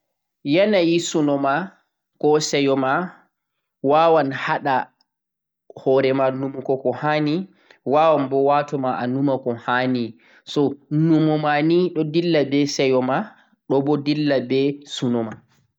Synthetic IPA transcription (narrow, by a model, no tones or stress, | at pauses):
janajisunɔma | kɔsɛjɔma | wawanhaɗa | hɔːɾɛmanumkɔkɔhani | waːwanbɔwatɔmaʔanumakɔhani | sɔnumɔmaniɗɔdilːabɛsɛjɔma | ɗɔbɔdilːabɛsunɔma